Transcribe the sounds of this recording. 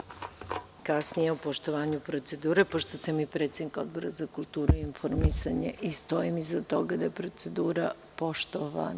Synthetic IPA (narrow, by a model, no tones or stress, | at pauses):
kasnije̞upo̞ʃt̪o̞ʋaːɲupɾo̞t̪se̞d̪uːɾepo̞ʃt̪osamipɾe̞t̪sed̪niko̞̰d̪̚bo̞ɾazakulˠt̪uːɾuiinfoɾmisaɲḛʔist̪o̞imizat̪o̞ɡad̪ajepɾo̞t̪se̞d̪uːɾa | po̞ʃt̪oʋa̰n